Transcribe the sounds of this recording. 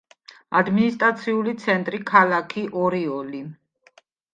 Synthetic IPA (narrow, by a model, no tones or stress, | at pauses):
ad̪minist̪ʼɾat̪sʰiulit̪sʰɛnt̪ʼɾikʰalakʰiʔɔɾiɔli